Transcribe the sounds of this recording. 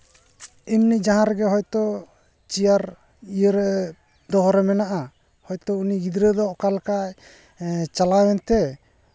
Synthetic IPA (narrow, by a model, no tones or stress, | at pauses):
imnid͡ʒaɦãɾɛɡɛɦɔjt̪ɔ | t͡ʃijaɾ | ijəɾɛ | d̪ɔɦɔɾɛmɛnaʔa | hɔjt̪ɔuniɡid̪ɾəd̪ɔʔkalkaj | t͡ʃalawɛnt̪ɛ